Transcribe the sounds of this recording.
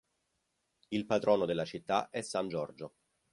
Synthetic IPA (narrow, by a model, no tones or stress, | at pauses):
ilpad̪ɾɔːnod̪elːat͡ʃit̪ːaʔɛsːand͡ʒɔrd͡ʒo